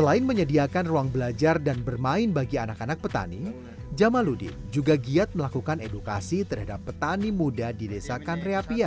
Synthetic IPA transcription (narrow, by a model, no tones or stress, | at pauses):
səlaɪnməɲədiakanruaŋbəlad͡ʒardanbərmaɪnbaɡianakanak̚pət̪a̰ni | d͡ʒamaludɪ̰nd͡ʒuɡaɡiat̪̚məlakukaneduka̰sit̪ərɦadapːət̪animudadidesakanreapia